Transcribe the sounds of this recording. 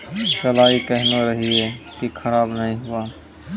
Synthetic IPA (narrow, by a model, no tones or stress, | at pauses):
səlaːikəɦnoɾəɦie | kikʰəɾaːbnəɦĩɦua